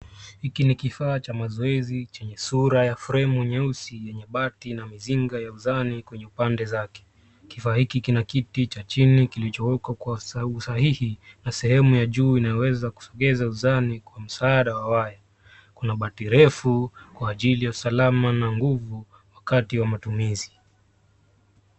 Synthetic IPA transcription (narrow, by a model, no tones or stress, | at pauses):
hikinikifaːt͡ʃamazɔɛzit͡ʃɛɲɛsuɾajafɾɛmuɲɛusijɛɲɛɓatinamiziŋɡajauzanikwɛɲɛupandɛzakɛ̥ | kifaːhikikinakitit͡ʃat͡ʃinikilit͡ʃɔwɛkakwausahihinasɛhɛmujaʄuːinajɔwɛzaku̥sɔɠɛzauzanikwam̩saːɗawawaja | kunaɓatiɾɛfukwaːʄilijausalamanaŋɡuvu | wakatiwamatumizi